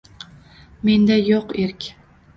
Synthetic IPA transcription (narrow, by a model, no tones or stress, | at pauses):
mend̪ajoqeɾkʲ